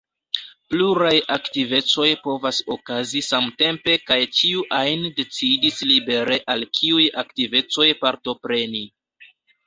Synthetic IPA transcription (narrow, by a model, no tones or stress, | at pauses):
pluɾajaktive̞t͡so̞jpo̞vaso̞kazisamte̞mpe̞kajt͡ʃiuʔajnde̞t͡sidislibe̞ɾe̞ʔalkʰiujaktive̞t͡so̞jpaɾto̞pɾe̞ni